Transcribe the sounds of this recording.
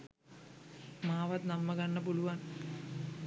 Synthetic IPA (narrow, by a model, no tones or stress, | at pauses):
maːʋɐt̪nɐmːɐɡɐnːɐpoluʋan